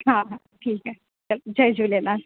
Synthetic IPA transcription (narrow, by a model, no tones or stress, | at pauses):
ɦãɦã | ʈʰiːkɦɛ | t͡ʃɐld͡ʒɐd͡ʒulena